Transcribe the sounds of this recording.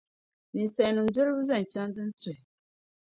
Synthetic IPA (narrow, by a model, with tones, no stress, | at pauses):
nĩ˨n˨sɛ˨nʊ̃˨n̩˨d͡zʊ˦ɾbu˦zɛ˦˨n̩˨t͡ʃa˦n˦dɨ˦n̩˦tɛ˨